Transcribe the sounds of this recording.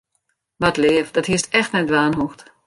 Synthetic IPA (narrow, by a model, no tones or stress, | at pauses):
ʋatleːəfdɔthiəstɛxtnɛt̚dʋaːnɦoxt